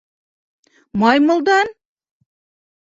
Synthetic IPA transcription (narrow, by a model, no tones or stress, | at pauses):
mɑjmŏlˠd̪ɑn